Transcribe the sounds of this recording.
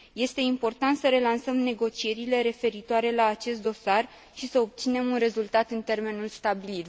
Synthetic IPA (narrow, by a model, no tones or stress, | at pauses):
je̞st̪e̞impo̞rt̪ant̪səɾe̞lansəmne̞ɡo̞t͡ʃije̞ɾile̞ɾe̞fe̞ɾit̪oaɾe̞laːt͡ʃe̞st̪d̪o̞sar | ʃisəo̞p̚t̪sine̞munre̞zult̪at̪ɨnt̪e̞rme̞nulst̪abilit̪